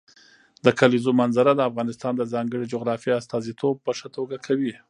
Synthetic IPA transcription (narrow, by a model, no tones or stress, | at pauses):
d̪əkalizomanzaɾad̪əafɣɑnɪst̪ɑnd̪əzɑŋɡəɽed͡ʒoɣɾɑfjeast̪ɑzit̪ʰob̚pəʂat̪oɡakʰawi